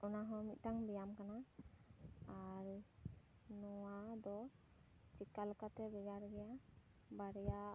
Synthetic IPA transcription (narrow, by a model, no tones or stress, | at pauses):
ɔnaɦɔ̃mit̪̚ˀʈaŋbɛjamkana | aɾ | nɔwad̪ɔ | t͡ʃikaləkat̪ɛbɛɡaɾɡɛja | baɾɛja